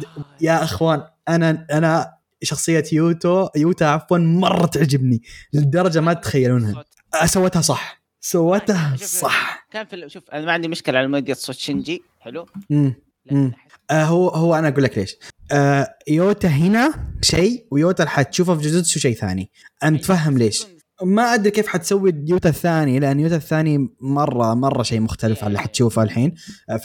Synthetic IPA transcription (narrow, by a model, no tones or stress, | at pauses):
jaʔɪxwaːn | ʔanaʔana | ʃɑxsˤɨjːajuːt̪ojuːt̪aʕafwanmɑrˤːɑt̪ɪʕd͡ʒɪbnilɪd̪ɑɾˤɑd͡ʒamat̪xajːaluːnha | sawːat̪hasˤɑħ | sawːat̪hsˤɑħkaːnfiʔanmaʕɪnd̪imʊʃkɪlʕalmeːd̪jasˤot̪ʃɪnd͡ʒi | ħɪlumː | mː | ʔaɦʊhʊwːaʔanaʔaɡuːlːakleːʃʔajoːt̪aɦɪnaʃejwjoːt̪aħat̪ʃuːfafid͡ʒʊd̪ʊd̪ʃuːʃejːθa̰ːni | ʔant̪faɦːamleːʃ | maʔad̪ɾikeːfħat̪sawːijuːt̪aθːaːnilɪʔanːjuːt̪aθːaːnimɑrˤːɑmɑrˤːɑʃeːmʊxt̪alɪfʕalːiħat̪ʃuːfaalħiːn